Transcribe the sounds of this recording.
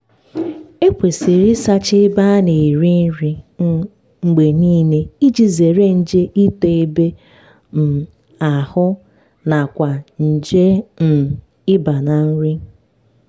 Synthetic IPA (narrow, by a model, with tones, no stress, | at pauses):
e˦kʷe˨si˨ɾi˦sa˦t͡ʃɪ˦ba˦ne˨i˨ɾi˦n̩˦ɾi˦ | ŋ͡m̩˨ɡ͡be˨niː˦ne˦i˦d͡ʒi˨ze˨ɾe˦n̩˦d͡ʒe˦ʔi˦te˨e˦be˦ | m̩˨ | a˨hʊ˦ | na˨kʷa˨n̩˨d͡ʒe˦n̩˨ | ɪ˦ba˨na˨n̩˦ɾi˦